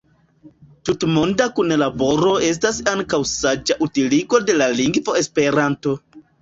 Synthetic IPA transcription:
tutmo̞ndakunlabo̞ɾo̞e̞s̬tasaŋkawsad͡ʒaʔutiliɡo̞de̞laliŋɡvo̞e̞spe̞ɾanto̞

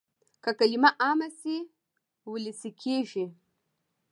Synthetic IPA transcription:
kakalimaʔamɐsi | wulisikʰʲeʒe

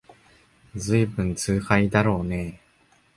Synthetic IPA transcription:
d͡zɨibɯ̟̃nt͡sɨːhaid̪aɾo̞ːne̞

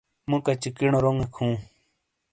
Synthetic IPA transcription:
mũkat͡ɕikiɳoɾoŋekʰũː

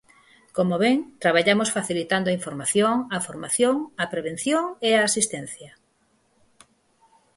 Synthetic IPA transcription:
komoβeŋt̪ɾaβ̞aʎamosfaθilit̪and̪oaiɱfoɾmaθjoŋɐfoɾmaθjoŋɐpɾeβ̞en̟θjoŋeaːsist̪ɛn̟θjɐ

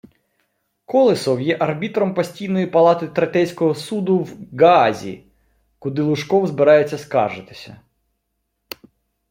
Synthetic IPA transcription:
kɔlˠɪsɔwjɛʔɐrbʲit̪ɾɔmpɔsʲtʲijnɔjipɐlˠɑt̪ɪt̪ɾet̪ɛjsʲkɔɦɔsud̪ʊwɡazʲḭ | kʊd̪ɪlˠʊʃkɔwzbɪɾɑjet͡sʲːɐskɑ̰rʒɪt̪ɪ̥sʲɐ̰

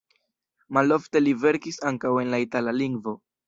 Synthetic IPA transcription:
malo̞fte̞live̞ɾkisaŋkawe̞nlaitalaliŋɡvo̞

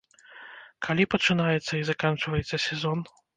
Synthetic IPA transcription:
kʰalʲipɐt͡ʂɨnajɛt̪sːɐizakant͡ʂvɐjɛt̪sːɐsʲɛzɔn

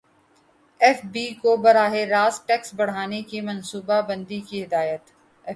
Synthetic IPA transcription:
ɛːfbiːkobɐɾaːɦeɾaːzʈɛːksbɐɽ̤aːnekimɐ̃nsuːbabɐ̃nd̪ikiɦɪd̪aːjət̪ | ɛ

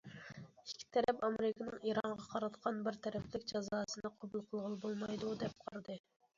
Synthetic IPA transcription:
ikʲʰːi̥t̪ʰɛɾɛpɑmeɾɪkʰɨnɨŋiɾɑɴʁɑqʰɑɾɨt̪qʰɑnbɪɾt̪ʰɛɾɛplɪkʲd͡ʒɑzɑːsɨnɨqʰobulˠqʰəlˠʁəlˠbolˠmɑjd̪ud̪ɛp̚qʰɑɾɨd̪ɨ

